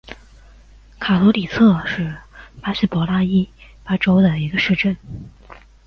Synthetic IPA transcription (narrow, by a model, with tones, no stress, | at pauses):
kʰa˨˩t̪ɔ˧˥li˨˩t͡sʰɤ˥˧ʂɻ̩˥˩pa˥ɕi˥˩pwɔ˧˥la˥i˥pa˥ʈ͡ʂo˥ʊd̪ə˨i˧˥ɡə˧ʂɻ̩˥˧ʈ͡ʂə˥˩n